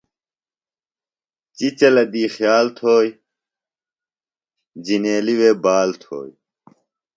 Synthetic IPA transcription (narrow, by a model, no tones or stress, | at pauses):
t͡ɕit͡ɕɐlɐd̪iːxjaːlt̪ʰoːj | d͡ʑineːliweːbaːlt̪ʰo̰ːj